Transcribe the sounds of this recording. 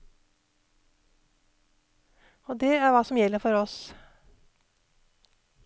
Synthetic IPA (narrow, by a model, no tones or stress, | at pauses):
oːd̪ɛæɾʋɑːsɔmjɛlːəɾfɔɾɔs